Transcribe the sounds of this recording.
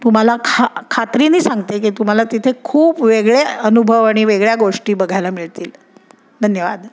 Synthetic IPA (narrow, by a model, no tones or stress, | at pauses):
t̪um̤alakʰakʰat̪ɾiːniːsaŋɡt̪ek̬iːt̪um̤alat̪it̪ʰekʰuːpʋeɡɭeənubʱəʋaɽ̃iʋeɡɭjaɡoʂʈiːbəɡʱajlamiɭt̪iːl | d̪ʱənjəʋa̰d̪